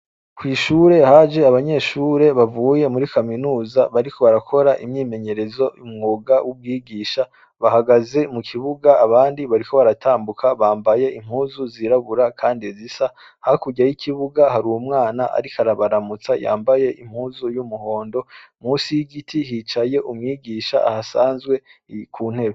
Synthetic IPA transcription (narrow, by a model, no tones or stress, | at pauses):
kwiːʃuɾe̞had͡ʒe̞aβaɲe̞ːʃuːɾe̞βavuje̞muɾikaminuːzaβaɾiko̞βaɾakʰo̞ɾaʔimɲiːme̞ɲe̞ɾe̞zo̞umŋuːɡawʔub̚ɡiːɡiːʃa | βahaɡaze̞mukʰiβuɡaːβaːndiβaɾiko̞βaɾatʰaːmbukʰaβaːmbaje̞im̥huːzuziɾaβuɾakʰaːndizisa | hakuɟajikʰiβuɡaɦaɾuwumŋaːnaʔa̰ɾikaɾaβaɾamut͡saja̰ːmbaje̞ʔim̥huːzujumuho̞ːndo̞muːsijiɡitʰihit͡ʃaje̞ʔumŋiːɡiʃa̰ʔahasaːnzɡwe̞kʰuːn̥he̞βe